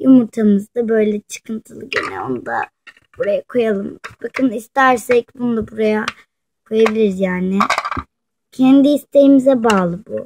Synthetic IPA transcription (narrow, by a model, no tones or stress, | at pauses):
jumuɾt̪ʰamɯzd̪abø̞jlʲɛt͡ʃʰɯ̥kʰɯnt̪ʰɯlˠɯɟḛnɛ̰o̞nud̪a̰ | b̥uɾajakʰo̞jalˠɯmbakʰɯnist̪æɾsɛc̚bunud̪abuɾaja | kʰo̞jabilʲiɾzjaːnɪ | cʰɛnd̪iist̪ʰe̞jimizɛbaːlˠɯbṵ